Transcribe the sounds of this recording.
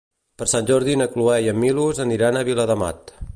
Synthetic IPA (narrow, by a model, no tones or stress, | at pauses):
pəɾsanʲʒɔɾðinəkluɛjəmːiluzəniɾanəβiləðəma̰t̪